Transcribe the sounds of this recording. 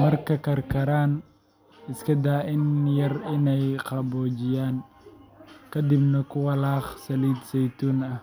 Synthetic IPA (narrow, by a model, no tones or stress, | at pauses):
mɐrkʰɐkʰɐrkʰɐɾaːn | ɪskʰɐd̪aːɪnjɐrɪnɛjqɑbɔːt͡ʃɪjaːn | kʰɐd̪ɪbnɐkʰʊwɐlɑːχsɐliːd̪sɛjt̪ʰuːnɐh